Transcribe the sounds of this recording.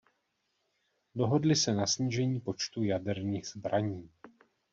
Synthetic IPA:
do̞ɦo̞dlɪsɛnasɲiːʒɛɲiːpo̞t͡ʃt̪ujadɛɾniːɣz̥bɾaɲiː

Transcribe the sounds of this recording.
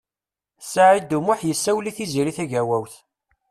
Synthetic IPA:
saʕid̪umʊħjəsːæwliθiziɾiθæʝæwæwθ

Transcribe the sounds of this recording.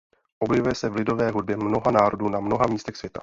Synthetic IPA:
ʔobjɛvujɛsɛvlɪdo̞vɛːɦud̚bjɛmno̞ɦanaːɾo̞duːnamno̞ɦamiːst̪ɛxsvjɛt̪a̰

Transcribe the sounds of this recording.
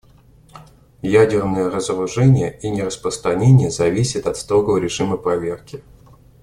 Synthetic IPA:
jædʲɪrnəjərəzɾʊʐɛnʲɪjəinʲɪrəspɾəst̪ɾɐnʲenʲɪjəzɐvʲisʲɪt̪ɐt̪st̪ɾoɡəvəɾʲɪʐɨməpɾɐvʲe̞rkʲɪ

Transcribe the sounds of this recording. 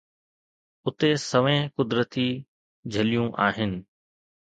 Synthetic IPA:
ʊt̪esɐʋẽkʊd̪ɾət̪i | d͡ʑʱɐlijũʔaːɦɪnɪ̆

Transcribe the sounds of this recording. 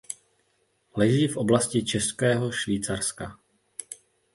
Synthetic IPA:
lɛʒiːfʔo̞blascɪt͡ʃɛskɛːɦo̞ʃviːt͡saɾska̰

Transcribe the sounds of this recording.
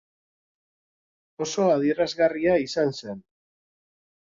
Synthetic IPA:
o̞so̞aðiɾazɣariaisanse̞n

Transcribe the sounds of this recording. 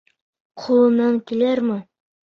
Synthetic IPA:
qʰulˠɤ̆nːɑŋkilæɾmɘ

